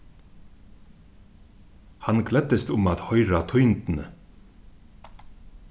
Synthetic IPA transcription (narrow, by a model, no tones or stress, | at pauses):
hɑnkʰlɛt̪əst̪ʊmɑt̪hœʏɾɑt̪ʰɔʏnt̪n̩ə